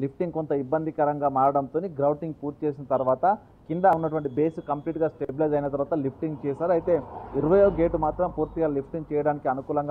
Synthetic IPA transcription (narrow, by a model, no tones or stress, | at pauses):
lipʰʈiŋɡkont̪ɐibːɐnd̪ʱikɐɾɐŋɡaːmaːɾɐɽɐnt̪oːniɡɾɐwʈiŋɡpuːɾt̪i̥t͡ʃeːs̬inɐt̪ɐɾuʋaːt̪ɐ | kind̪ɐunːɐʈuʋɐɳʈibeːskɐmpliːʈɡaːsʈeblɐd͡ʒɐjnɐt̪ɐɾʋaːt̪ɐlipʰʈiŋɡt͡ʃɛːʃaːɾuɐjit̪e̞ːiɾɐʋɐjoːɡe̞ːʈːumaːt̪ɾɐmpuːɾt̪iɡaːlipʰʈiŋɡt͡ʃɛːjɐɽaːnikiɐnukuːlɐŋɡaː